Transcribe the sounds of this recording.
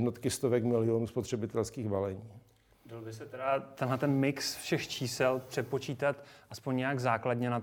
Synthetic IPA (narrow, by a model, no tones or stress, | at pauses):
dnot̪kɪst̪ovɛkmɪlɪonuːspot̪r̥ɛbɪt̪ɛlskiːɣbalɛɲiː | dalbɪsɛt̪ɛɾat̪ɛnɦlɛt̪ɛnmɪksfʃɛxt͡ʃiːsɛlpr̝̥ɛpo̞t͡ʃiːt̪at̪ʔaspoɲɲɛjaɡzaːkladɲɛnat̪